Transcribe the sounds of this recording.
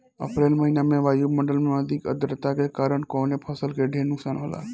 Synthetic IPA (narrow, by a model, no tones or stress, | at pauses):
ə̰pɾeːlməɦinamẽʋaːjuməɳɖəlmẽəd̪ʱikə̰d̪ɾət̪akekaːɾəɳ̃kɔːnepʰəsəlkeɖʱeːnʊksaːnɦoːla̰ː